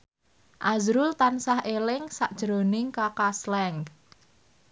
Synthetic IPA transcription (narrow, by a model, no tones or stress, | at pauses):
ʔazɾʊlt̪ansahʔelɪŋsaʔd̥ʒ̥ɾonɪŋkakaslɛŋk